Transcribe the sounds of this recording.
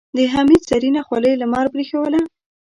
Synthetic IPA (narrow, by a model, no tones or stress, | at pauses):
d̪əɦamid̪saɾinaxwaləjlamɑɾbɾixawəla